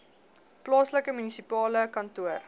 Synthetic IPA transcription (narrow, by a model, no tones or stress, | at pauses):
plɑːsləkəmynisipɑːləkɐntuər